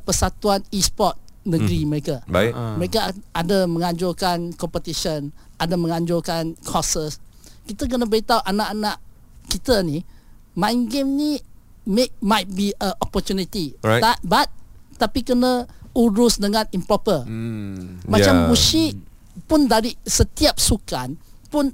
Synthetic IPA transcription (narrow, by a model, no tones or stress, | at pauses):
pəsat̪uanispɔt̪̚nəɡɾiməɾekaaməɾekaadəmə̃ŋaɲd͡ʒʊlkankɔmpət̪iʃənadamə̃ŋaɲd͡ʒʊlkankʰɔsəskit̪ək̬ənabəɾit̪awʔanaʔanaʔ | kit̪əni | maŋɡɪmni | mek̚majt̪̚biəʔɔpət̪junit̪it̪at̪̚bat̪̚t̪ːapikənauɾʊsdəŋãninpɾɔpə | mat͡ʃamuʃiʔ | pʊndaɾisət̪iap̚sukanpʊn